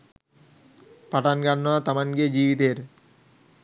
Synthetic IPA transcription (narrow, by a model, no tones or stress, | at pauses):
paʈanɡanːɔat̪amanɡed͡ʑibit̪eɾ